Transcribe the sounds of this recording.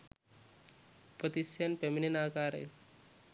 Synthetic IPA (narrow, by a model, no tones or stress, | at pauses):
pət̪isjɐnpeminenaːkaːɾḛj